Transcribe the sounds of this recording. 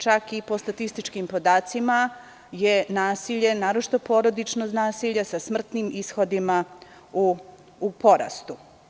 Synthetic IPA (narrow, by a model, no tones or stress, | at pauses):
t͡ʃakipo̞st̪at̪ist̪it͡ʃkimpo̞d̪aːt̪sima | je̞naːsiʎe̞naːɾot͡ʃi̥t̪o̞po̞ːɾo̞d̪it͡ʃnosnaːsiʎasasmr̩t̪niːmisxo̞d̪ima | uː | po̞ɾa̰st̪u